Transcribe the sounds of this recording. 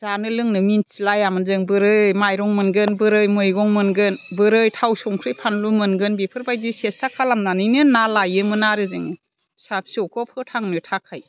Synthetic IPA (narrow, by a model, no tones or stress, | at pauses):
zanɯlɯŋnɯminsilajamɯnzɯŋbɯɾɯmajɾɔŋmɯnɡɯnbɯɾɯjmɯjɡɔŋmɯnɡɯnbɯɾɯjtʰawsɔŋkʰɾɯjpʰanlumɯnɡɯnbipʰɯɾbajdisestʰakʰalamnanɯjnɯnalajɯmɯnaɾɯzɯŋ | sap̚sɔwkʰɔpʰɯtʰaŋnɯtʰakʰaj